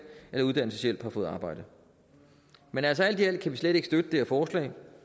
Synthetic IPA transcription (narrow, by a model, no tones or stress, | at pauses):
elɐuð̞ˠd̥æn̰l̩səsɕjel̰b̥hɑ̈fɔ̽ːð̩ˠɑ̈ːb̥ɑ̈ɪ̰d̥ə | menælsɒæl̰d̥iel̰̥kʰæʋisled̥eɡ̥sd̥ød̥əd̥eæɐfɒːslɛ̰ː